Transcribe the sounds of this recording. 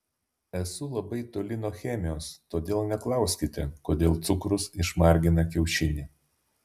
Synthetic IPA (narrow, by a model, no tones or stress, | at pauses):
ɛsʊlˠɐbɐɪt̪oːlʲɪnoːxʲɛmʲɪjoːst̪oːd̪ʲeːlˠnʲɛklˠɐˑʊsʲkʲɪt̪ʲɛkoːd̪ʲeːlˠt̪sʊkɾʊsɪʃmɑˑɾʲɡʲɪnɐkʲɛʊʃʲɪnʲiː